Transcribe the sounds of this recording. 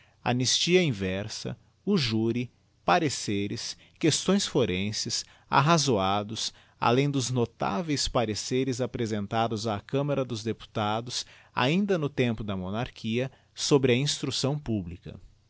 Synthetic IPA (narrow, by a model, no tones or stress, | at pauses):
a̰nist͡ʃiɐĩvɛɾsɐ̰ | uʒuɾi | paɾeseɾɪs | kest̪õj̃sfoɾẽsɪs | a̰ɦazoad̪ʊs | a̰lẽj̃d̪ʊznot̪a̰vejspaɾeseɾɪzapɾezẽnt̪ad̪ʊzaːkɐ̃mɐɾɐd̪ʊzd̪epu̥t̪ad̪ʊs | a̰ĩnd̪ɐnʊt̪ẽmpʊd̪ɐmonaɾkʰiɐ | sobɾɪɐĩst̪ɾusɐ̃w̃publikɐ̰